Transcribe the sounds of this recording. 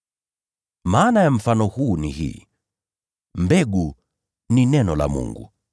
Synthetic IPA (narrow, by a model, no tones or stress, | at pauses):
maːnajam̩fanɔhuːnḭhḭː | mbɛɡu | ninɛnɔla̰mṵŋɡṵ